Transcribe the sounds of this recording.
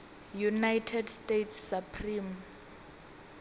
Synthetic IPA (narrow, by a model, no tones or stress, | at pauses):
junajtʰɛdstetʰsːapʰrim